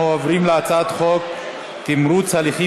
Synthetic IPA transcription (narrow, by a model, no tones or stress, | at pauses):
ovɾimleat͡sat̪χok̚ | t̪imɾut͡saliχi